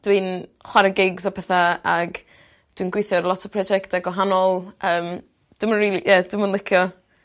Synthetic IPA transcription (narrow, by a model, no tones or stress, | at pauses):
d̥winχwaɾəɡɪɡzɔpʰɛθaaɡ | d̥winɡwejθjɔɾlˠɔtʰɔpʰrɔd͡ʒɛktaɡwɔɦanɔlˠʔəːm | d̥ʊmənriːlijɛd̥əmənlɪkʰjɔ